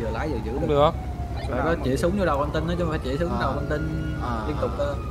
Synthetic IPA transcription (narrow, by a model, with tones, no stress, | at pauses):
ɨː˨˩laː˨˦jzɨː˨˩ɨ̰˧˥˧ | faː˧˩kɔ˨˦t͡ɕi˧˩sɨ˨˦ŋ͡mɲ˧ɗa˨˩wa˧nt̪ï˧nːʔə˨˦t͡ɕɔ˧˦˨faː˧˩jt͡ɕi˧˩sɨ˨˦˧aː˨˩wa˧nt̪i˧n˧˩ | i˧˩ət̪ʊ˨˩k͡p̚ʔəː˧˩